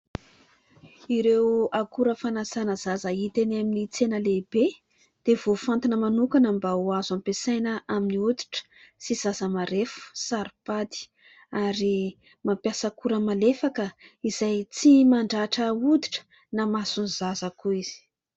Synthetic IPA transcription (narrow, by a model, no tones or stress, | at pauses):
iɾewakuɾəfanazanaz̥azəit̪enaminit͡senəlebe | d̪̥ev̥ofant̪inəmanukanambauazampesajnəʔaminiud̪i̥ʈ͡ʂə̥siz̥azəmaɾefu̥saɾipad̪i̥ | aɾi | mampjasakuɾəmalefakəiz̥ajt͡simaɳɖ͡ʐaʈ͡ʂəud̪iʈ͡ʂə̥ | namasunzazəkuiz̥i̥